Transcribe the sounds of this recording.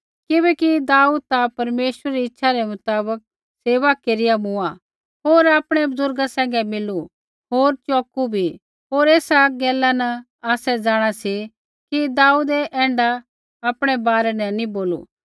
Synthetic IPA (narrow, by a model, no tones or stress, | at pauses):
kɪbɛkid̪aːuːd̪̚t̪apɐɾmeːʃwəɾɾiɪtːʃʰaɾɛmʊt̪aːbək̚ | seːʋakeɾɪjamʊa | ɦoːɾaːpɽ̃ɛbʊzʊɾɡasɛ̃ːŋɡɛmɪlːu | ɦoːɾt͡ʃɔːkubʱi | ɦoːɾeːsaɡɛːlanɐ | aːsɛd͡zaːɽ̃asi | kid̪aːuːd̪ɛʔɛ̃ːɳɖa | aːpɽ̃ɛbaːɾɛnɛnĩboːlṵ